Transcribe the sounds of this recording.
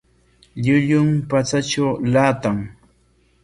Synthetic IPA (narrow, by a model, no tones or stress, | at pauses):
ʎʊʎʊmpat͡sat͡ʃawlaːt̪aŋ